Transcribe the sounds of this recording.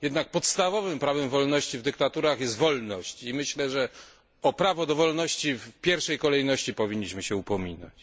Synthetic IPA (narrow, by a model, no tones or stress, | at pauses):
jɛd̪nak̚pɔt̪st̪avɔvɘmpɾavɛmvɔlnɔɕt͡ɕivd̪ɘkt̪at̪uɾaxjɛst̪vɔlnɔɕt͡ɕimɘɕlɛʐɛ | ɔpɾavɔd̪ɔvɔlnɔɕt͡ɕifpʲjɛɾfʂɛjkɔlɛjnɔɕt͡ɕipɔvʲiɲːiɕmɘɕɛupɔmʲina̰t͡ɕ